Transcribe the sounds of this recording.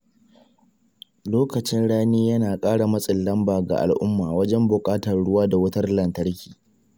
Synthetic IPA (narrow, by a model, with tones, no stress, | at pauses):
loː˦kɐ˨t͡ʃɪ˦nɽaː˦niː˦jɐ˦naː˨kʼaː˦ɽa˨mɐ˦sʼɪ˨lːɐ˦mbaː˨ɡa̰˨ʔa̰˨lʔʊ˦mːaː˨wɐ˦d͡ʒɛ˦mbʊ˨kʼaː˦tɐ˨rɽʊ˦waː˦da˨wɐ˦tɐ˦rlɐ˨ntɐ˦ɽkʲiː˨